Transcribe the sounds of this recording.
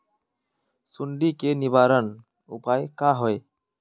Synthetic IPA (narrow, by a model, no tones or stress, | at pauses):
suɳɖikenibaɾən | ṵpajkaɦɔe